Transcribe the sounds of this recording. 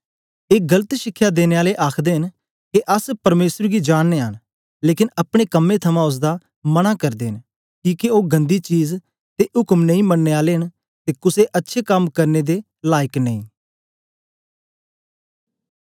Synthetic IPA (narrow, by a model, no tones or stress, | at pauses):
eːɡələt̪ʃɪkʰːjaːd̪eːneːaːleʔaːkʰd̪eːɦɪn | keʔəspɐɾmeːsəɾɡid͡ʒaːɽːeːɦən | leːkɪnɐpɽ̃ekɐmːet̪ʰɐmãʊs̬d̪a | mɐnakɐɾd̪eːɦɪn | kiːkeoːɡɐ̃nd̪it͡ʃiːz | t̪eʊkəmnə̃ĩːmɐnːeːaːleːɦən | t̪eːkʊseʔɐtːʃʰekɐmkɐɾned̪eː | laːjɪknə̃ĩː